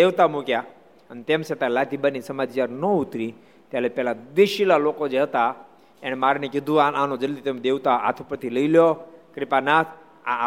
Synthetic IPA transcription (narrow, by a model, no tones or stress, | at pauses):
eʋt̪amukja | ənit̪emset̪alat̪ibanisəmad͡ʒjaɾnɔut̪ɾi | t̪jalepɛlad̪eʃilalokod͡ʒeɦət̪a | ɛñmaɾnekid̪ʱuaʔanod͡ʒəld̪it̪emd̪eʋt̪aa̰t̪ʰupɾət̪iləiljokɾipanat̪ʰ | a